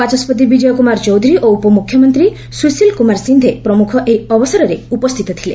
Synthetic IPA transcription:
at͡ʃɔspɔt̪̬ibid͡ʒɔjɔkumaɾt͡ʃɔwd̪ʱuɾiʔoupɔmukʰjɔmɔnt̪ɾi | susilkumaɾsind̪ʱepɾɔmukʰɔʔeɔbɔsaɾɔɾeupɔst̪ʰit̪ɔt̪ʰilḛ

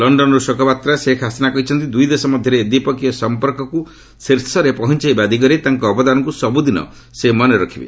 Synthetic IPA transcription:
lɔɳɖɔnɔɾusɔkɔpat̪ɾasekʰasinakɔɦit͡ʃʰɔnt̪id̪ujd̪esɔmɔd̪ʱjɔɾeːd̪ipɔkijɔsɔmpɔɾkɔku | seɾsɔɾepɔɦɔnt͡ʃajbad̪ʱik̬ɔɾet̪aŋkɔːbɔd̪anɔŋkusɔbud̪inɔ̰ | semɔneɾɔkʰibḛ

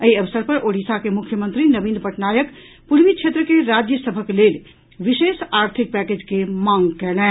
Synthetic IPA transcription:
ɐiɐʋəsəɾpɐɾoːɽiːsakemʊkʰːjəmə̃nt̪ɾinɐʋĩːnpɐʈnaːjək | pʊɾmikt͡ʃʰeːt̪ɾəkeɾaːd͡ʒjəsəbʱəkeleːl | ʋɪʃeːʃaːɾt̪ʰɪk̚pɛːkeːd͡ʒkemãːŋɡkɛːlɛ̃ː

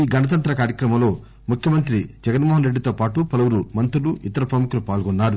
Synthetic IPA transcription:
iːɡɐnɐt̪ɐnt̪ɾɐkaːɾjɐkɾɐmɐmlo̞ː | mukʰjɐmɐnt̪ɾid͡ʒɛɡɐnmoːɦɐnɾeɖːit̪oːpaːʈupɐlɐwuɾumɐnt̪ɾuluʔit̪ɐɾɐpɾɐmukulupaːlɡɔnːaːɾu

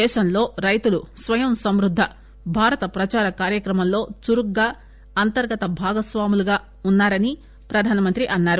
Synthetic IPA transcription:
ɛːʃɐmlo̞ːɾɐjt̪ulusʋɐjɐmsɐmɾud̪ʱːɐ | bʱaːɾɐt̪ɐpɾɐt͡ʃaːɾɐkaːɾjɐkɾɐmɐmlo̞ːt͡ʃuɾukɡaː | ɐnt̪ɐɾɡɐt̪ɐbʱaːɡɐsʋaːmuluɡaː | unːaːɾɐni | pɾɐd̪ʱaːnɐmɐnt̪ɾiʔɐnːaːɾu

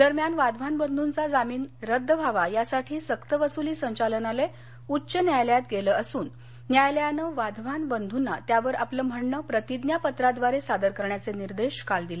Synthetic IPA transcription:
d̪əɾmjanʋad̪ʱʋanbənd̪ʱunt͡sad͡zamiːnɾəd̪ʱːəbʱaʋajasaʈʰiːsəkt̪əʋəsuliːsəɲt͡ɕalənale | utːɕənjajljat̪ɡeləəsuːnː | jajljanəʋad̪ʱʋ̤anbənd̪ʱunːat̪jaʋəɾʔapləm̤əɳnəpɾət̪id̪njapət̪ɾad̪ʋaɾesad̪əɾkəɾɳjat͡seniɾd̪eɕkald̪ile

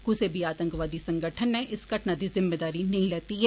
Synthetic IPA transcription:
kʊsebʱiaːt̪ə̃ŋkʋaːd̪isɐ̃ŋɡəʈʰənːɛ̃ʔɪsɡɐʈnad̪izɪmːeːd̪aːɾinɐɦĩlɛːt̪iɦɛː

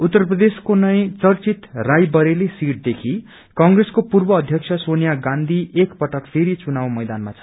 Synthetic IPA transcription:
ut̪ːʌrprʌd̪eskonʌj̃t͡sʌrt͡sit̪rajbʌɾelesiʈ̚d̪ekʰi | kʌ̃ŋɡreskopurbʌːd̪ʱjʌk̚t͡sʰʌsonijaɡãnd̪ʱiekpʌʈʌkpʰeɾit͡sunaw̃mʌjd̪anmat͡sʰʌ̥

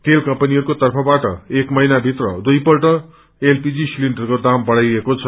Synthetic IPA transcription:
ʈelkʌmpʌniɦʌɾukot̪ʌrpʰʌbaʈʌ̰ekmʌjnabʱit̪rʌd̪ujpʌlʈʌ | elpid͡zisilinɖʌrkod̪ambʌɽajekot͡sʰʌ

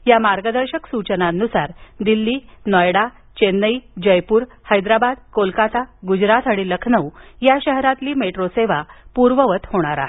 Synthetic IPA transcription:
jamaɾɡəd̪əɾɕəksut͡ɕənanːusaɾd̪ilːiːnɔjɽa | t͡ɕenːəid͡ʑəjpuːɾ | həjd̪ɾabad̪kolkat̪aɡud͡ʑɾat̪aɽ̃iləkʰnəwjaɕəɦɾãt̪liːmeʈɾoseʋapuɾʋəʋət̪hoɽ̃aɾa̰

